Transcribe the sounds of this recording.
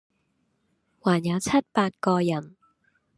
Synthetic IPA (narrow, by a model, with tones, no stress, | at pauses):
waː˨˩njɐ˨˧wt͡sʰɐ˥t̚paː˧t̚kɔː˧jɐ˨˩n